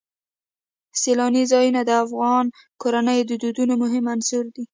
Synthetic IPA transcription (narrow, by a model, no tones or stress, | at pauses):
selɑnizɑjunad̪əafɣɑn | koɾanəjd̪əd̪ud̪unomʊɦɪmansuɾd̪i